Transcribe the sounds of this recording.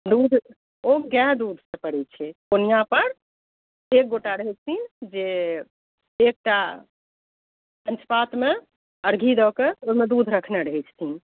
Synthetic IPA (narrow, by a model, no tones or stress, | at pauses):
d̪ud̪ʱ | oɡɛɦd̪ud̪ʱsəpəɽɛt͡ʃʰɛkonijapəɾ | ek̚ɡoʈaɾəɦɛt͡ʃʰt̪ʰind͡ʒe | ek̚ʈa | pənt͡ʃpat̪me | əɾɡʱid̪ɔkeomed̪ud̪ʱɾəkʰneɾəɦɛt͡ʃʰt̪ʰin